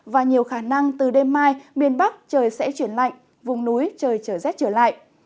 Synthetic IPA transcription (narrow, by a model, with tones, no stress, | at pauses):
vaː˨˩ɲi˨˩əwxaː˧˩na˧ŋt̪ɨ˨˩ɗe˧mːaː˧jmi˧˩ənɓa˦˥k̚t͡ɕəː˨˩jsɛ̰˧˥t͡ɕwi˧˩ənla̰˧˨jŋ | vʊ˨˩ŋ͡mnu˨˦jt͡ɕəː˨˩jt͡ɕəː˧˩zɛ˦˥p̚t͡ɕəː˧˩la̰ː˧˨jʔ